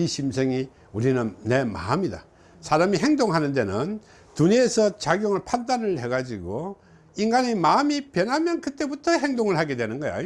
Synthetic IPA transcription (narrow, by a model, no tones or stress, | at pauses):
iɕʰimsʰeŋi | uɾinɯnːe̞ma̰mɲida̰ | sʰaɾamiɦe̞ŋdoŋɦanɯnde̞nɯn | tuɲeːsʰʌt͡ɕaɡjoŋɯɭpʰandanɯɭhe̞ɡad͡ʑiɡo | inɡaɲimamipjʌnɦamjʌnkɯt͈e̞butʰʌɦe̞ŋdoŋɯɭhaɡe̞dwe̞nɯnɡʌja̰